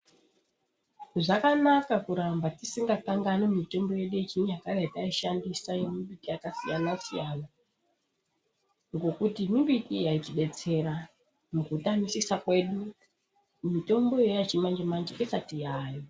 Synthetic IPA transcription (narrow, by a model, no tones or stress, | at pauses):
ʐakanakakuɾambatisiŋɡakaŋɡanemito̞mbo̞je̞ɗujet͡ʃinjakaretaiʃandisaemimbitʼijakasijanasijana | ŋɡo̞kutimibitijait͡ʃiɓe̞t͡se̞ɾa | mukutamisisakwe̞ɗu | umito̞mbo̞jejat͡ʃimand͡ʒemand͡ʒeʔesatijaːjo